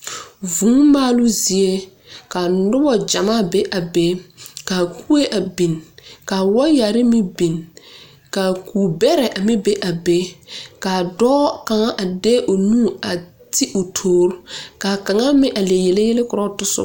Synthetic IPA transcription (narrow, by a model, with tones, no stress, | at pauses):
vũː˨˦maː˦lʊ˦zi˨e˦ | ka˨nʊ˦bɔ˦d͡ʒa˨ma˦be˦ʔa˨be˦ka˨ku˦e˦ʔa˨bi˨nka˨wɔ˦ja˨ɾɪ˦mɪ˦bi˨n | ka˨kuː˨bɛ˦ɾɛ˨ʔa˨mɪ˦be˦ʔa˨be˦ka˨dɔː˦ka˨ŋa˦ʔa˨de˦ʔo˨nu˦˨a˨ | tɪ˦ʔʊ˨tʰoː˨˦ɾka˨ka˨ŋa˦mɪ˦ʔa˨le˨jɛ˨le˦jɛ˦lɪ˦kʊ˨ɾɔ˦˨tʊ˦sʊ̰˦